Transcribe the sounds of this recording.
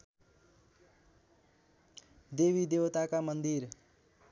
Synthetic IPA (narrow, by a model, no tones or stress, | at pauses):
d̪ewid̪ewt̪akamʌnd̪iɾ